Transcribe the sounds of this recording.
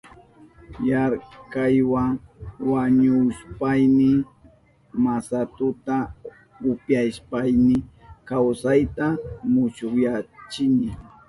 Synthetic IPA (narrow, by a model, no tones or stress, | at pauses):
jaɾkajwaŋwaɲʊspajmɪ | masat̪ʊt̪a | ʊpjajʃpajmɪkawsajt̪amʊʃʊkjat͡ʃɪnɪ